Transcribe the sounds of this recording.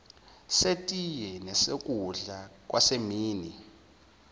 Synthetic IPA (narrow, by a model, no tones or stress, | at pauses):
setʼijɛnɛsek̬ʼuɮak̬ʼwasemiːni